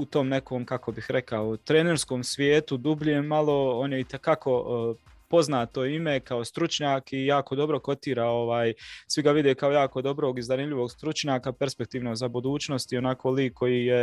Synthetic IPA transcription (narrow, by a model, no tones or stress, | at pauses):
ut̪o̞mne̞ko̞ːmkako̞bixɾekaot̪ɾeneɾsko̞ːmsʋjeːt̪ud̪ubʎemalˠo̞o̞ːnjeit̪ekakʰo̞po̞znaːt̪o̞imekao̞st̪ɾut͡ʃɲaːkijaːko̞d̪o̞bɾo̞ko̞t̪iːɾao̞ʋaːjsʋiɡaʋid̪ekao̞jaːko̞d̪o̞bɾo̞ːɡizanimʎʲiʋoːɡst̪ɾut͡ʃɲaːkapeɾspe̞k̚t̪iːʋnozabud̪uːt͡ʃno̞st̪io̞nako̞ːliːkːo̞jiːje